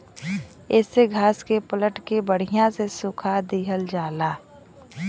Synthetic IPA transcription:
ɛːseɡʱaːskepələʈkebəɽ̤ɪjãsesʊkʰad̪iɦəld͡ʒaːlaː

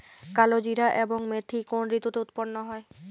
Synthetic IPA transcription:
kalod͡ʑiɾaʔeboŋmet̪ʰːikonɾit̪ːut̪eut̪ponːoɦɔe

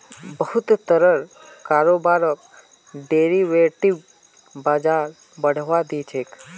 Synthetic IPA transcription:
bəɦʊt̪t̪əɾəɾ | kaːɾoːbaːɾək̚ | ɖeːɾiʋeːʈiʋ | baːd͡ʒaːɾ | bəɽ̤ʋad̪it͡ʃʰeːk

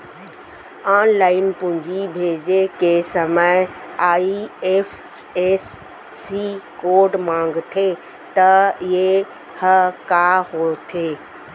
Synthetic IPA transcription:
aːnlaːɪnpʊ̃ɲd͡ʑibʱeːd͡ʑekesɐməɪaːief | eːsː | ikoːɾɖmãːŋɡt̪ʰe | t̪ɐɪɦe | hɐkaɦot̪ʰeː

